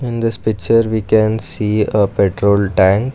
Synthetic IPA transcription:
ɪ̃nd̪ɪspɪkt͡ʃəɾʋiːkɛ̃nsiːəpeʈɾoːlʈæ̃ŋk

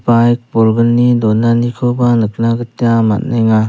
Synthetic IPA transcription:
pajk̚bɔlɡɯnːidɔnanikʰɯbanɯk̚naɡɯtjama̰t̚najŋa

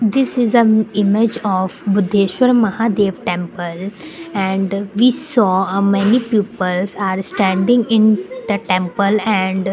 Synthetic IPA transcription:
d̪ɪsɪzə̃nɪmed͡ʒɔːʋbʊd̪ʱːeːʃʋəɾmɐhaːd̪eːʋʈɛ̃mpəlɛ̃ɳɖʋiːsɔːmɛnipjuːpəlzaːɾsʈæ̃ɳɖɪ̃ŋɪ̃nd̪̥əʈɛ̃mpəlɛ̃ɳɖ

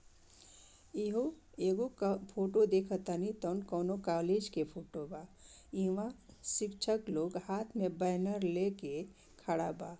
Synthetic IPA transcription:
iɦo | eːɡopʰoːʈod̪eːkʰət̪anit̪ɔːnkɔːnokaːleːd͡ʒkepʰoːʈobaːiʋãsɪkt͡ʃʰəkloːɡhaːt̪ʰmẽbəɦnəɾleke | kʰəɽabaː

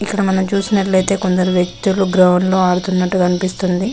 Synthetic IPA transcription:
ikːɐɽɐmɐnɐmt͡ʃuːsinɐʈlɐjt̪e̞ːko̞nd̪ɐɾuʋjek̚t̪uluɡɾɐʋɐnlo̞ːaːɽut̪unːɐʈːuɡɐnipist̪und̪i

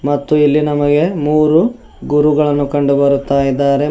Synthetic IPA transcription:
mɐt̪ːuilːinɐmɐɡe̞muːɾu | ɡuɾuɡɐɭɐnːukɐɳɖubɐɾut̪ːaːjid̪ːaːɾe̞

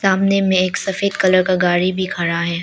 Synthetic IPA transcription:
saːmnemẽeːksɐfeːd̪kɐləɾkaɡaːɾibʱikʰɐɾaɦɛː

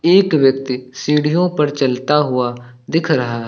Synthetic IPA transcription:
eːkʋjək̚t̪isiːɽ̤ijõpɐɾt͡ʃəlt̪aɦʊa | d̪ɪkʰɾɐɦaɦ

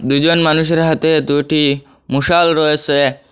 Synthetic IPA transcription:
d̪ud͡ʑonmanuʃ̬eɾɦat̪ed̪uʈi | muʃalɾɔet͡ɕʰe

